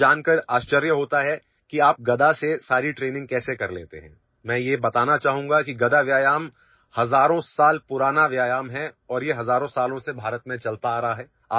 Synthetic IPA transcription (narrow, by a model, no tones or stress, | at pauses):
d͡ʒaːnkəɾaːʃt͡ʃəɾjəɦoːt̪aɦɛ | kiaːp̚ɡɐd̪asesaːɾiʈɾeːnɪ̃ŋɡ̚kɛːsekɐɾlḛːt̪ḛɦɛ̃ː | mɛ̃ːjebɐt̪aːnat͡ʃaːɦũŋɡakiɡɐd̪aʋjaːjaːm | hɐzaːɾõsaːlpʊɾaːnaʋjaːjaːmɦɛɔːɾjeɦɐzaːɾõsaːlõsebʱaːɾət̪mẽt͡ʃɐlt̪aːɾɐɦaɦɛː | aː